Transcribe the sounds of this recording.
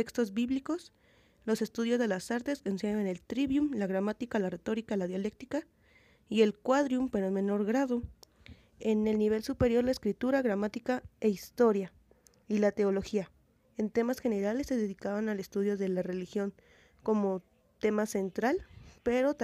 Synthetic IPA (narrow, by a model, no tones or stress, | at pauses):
ekst̪o̞zbiβliko̞s | lo̞se̞st̪uðjo̞zðe̞lasaɾt̪e̞skonseaene̞lt̪ɾiβjumlaɣɾamat̪ikalare̞t̪o̞ɾikalaðjale̞k̚t̪ika | ie̞lkwaðɾjumpe̞ɾome̞no̞ɾɣɾaðo | ene̞lniβ̞e̞lsupe̞ɾjo̞ɾlaeskɾit̪uɾaɣɾamat̪ikaeist̪o̞ɾja | ilat̪e̞o̞lo̞xia | e̞nt̪e̞masxe̞ne̞ɾale̞sːeðeðikaβanale̞st̪uðjo̞ðe̞lare̞lixjo̞ŋ | ko̞mo̞ | t̪e̞mase̞nt̪ɾalpe̞ɾo̞t̪